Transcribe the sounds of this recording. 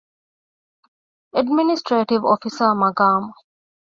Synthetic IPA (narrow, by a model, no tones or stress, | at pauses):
əɖminisʈɾeːʈiʋɔfisəmɐɡaːm